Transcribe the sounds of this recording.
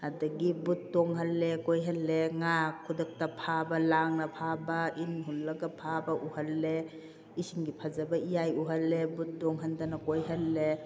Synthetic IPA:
adɐɡibut̚ːɔŋɦɐlːekojɦalːeŋakʰːudɐk̚tapʰabɐlaŋnɐpʰabainɦulːɐɡɐpʰabɐʔuhɐlːe | isiŋɡipʰazabɐijajuɦalːebut̚dɔŋɦandanɐkojɦɐlːe

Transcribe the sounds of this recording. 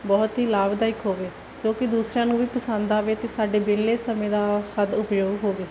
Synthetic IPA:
bɔːt̪ɦiːlaːbd̪aːɪkɦoːʋeː | d͡ʒoːkɪd̪uːsɾãːnũːʋiːpəsə̃nd̪aːʋeːt̪eːsaːɖeːbeːlːeːsəmẽːd̪aːsəd̪ʊpjoːɡɦoːʋeː

